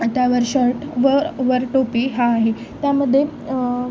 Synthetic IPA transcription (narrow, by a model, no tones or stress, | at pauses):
t̪jaʋəɾɕəɾʈʋəɾʋəɾʈopiːɦaːɦe | t̪jaməd̪ʱːje